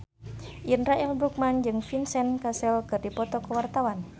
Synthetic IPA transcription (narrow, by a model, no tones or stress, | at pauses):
ʔinraɛlbɾuk̚mand͡ʒɨŋfinsɛnkasɛlkərdipɔt̪ɔkəwart̪awan